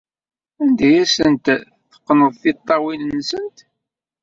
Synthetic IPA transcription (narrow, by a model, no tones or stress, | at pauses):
ænd̪æjæsənt̪ | θə̥qːnəðˤθɪt̪ˤːɑwinnːsənt̪